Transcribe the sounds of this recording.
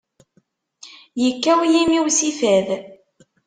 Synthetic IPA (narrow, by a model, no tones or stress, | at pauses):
jəkːæwjimiwsifæð